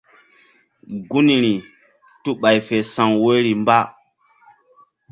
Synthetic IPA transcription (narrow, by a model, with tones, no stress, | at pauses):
ɡu˦ni˨ɾi˨ | tu˦ɓa˨jfe˨sa˨ŋwo˦ɾi˨mba˦